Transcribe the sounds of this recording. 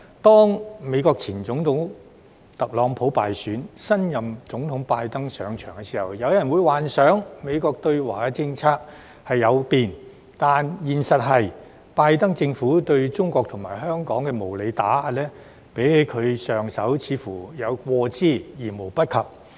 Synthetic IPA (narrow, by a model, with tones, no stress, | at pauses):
t̪ɔː˥ŋme˨˧kɔː˧k̚t͡sʰiː˨˩nt͡sʊ˨˥ŋt̪ʰʊ˨˥ŋ | t̪ɐ˨k̚lɔː˨˥ŋpʰo˨˥wpaː˨jsyː˨˥nsɐ˥njɐ˨mt͡sʊ˨˥ŋt̪ʰʊ˨˥ŋpaː˧jt̪ɐ˥ŋsœː˨ŋt͡ʃʰœ̰ː˨˩ŋkɛ˧siː˨˩hɐ˨wjɐ˨˧wjɐ˨˩nwuː˨˧jwaː˨nsœː˨˥ŋme˨˧jkɔː˧k̚t̪ɵ˧ɥwaː˨˩˧t͡sɪ˧ŋt͡sʰaː˧˥k̚ | hɐ˨jːɐ˨˧wpiː˨n | t̪aː˨njiː˨˩nsɐ˨t̚ɦɐ˨j | paː˧jt̪ɐ˥ŋt͡sɪ˧ŋfuː˨˥t̪ɵ˧ɥt͡sʊ˥ŋkʷɔː˧k̚t̪ʰʊ˨˩ŋmaː˨˩jɦœː˥ŋkɔː˨˥ŋkɛː˧mo˨˩wle˨˧jt̪aː˨˥a˧lɛː˥ | pe˨˥jhe˨˧˥jkʰɵ˨˧ɥsœː˨ŋsɐ˨˥wt͡sʰiː˨˥fuː˨˩jɐ˨˧wkʷɔː˧t͡siː˥˩jiː˨˩mo˨˩wpɐ˥t̚kʰɐ˨p̚